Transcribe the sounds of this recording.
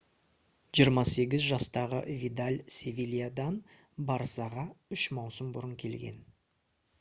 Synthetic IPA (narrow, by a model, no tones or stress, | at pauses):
ʒijəɾmɑse̞ɡʲɪzʒɑst̪ɑʁə̰vʲid̪alʲsʲevʲilʲijad̪ɑn | bɑɾsɑʁɑʏʃmɑwsəmbʊɾəŋkʲʰe̞lɡʲe̞̰n